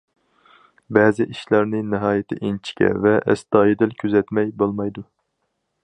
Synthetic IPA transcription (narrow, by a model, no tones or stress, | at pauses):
bɛːzɪʔiʃlæɾnɪnɪɦɑːjɪt̪ʰɪ̰ʔint͡ʃʰi̥kʲɛ̰vɛʔɛ̰sd̪ɑːjid̪ɪlkʲʰøzɛt̪mɛjbolˠmɑjd̪u